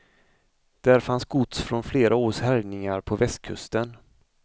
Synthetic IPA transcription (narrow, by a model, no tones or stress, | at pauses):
d̪̥æɾfansɡʊt̪sfɾɔnfleːɾʔaoːʂhæɾnɪŋaɾpʰɔvɛst̪̚kʰɵ̰st̪ən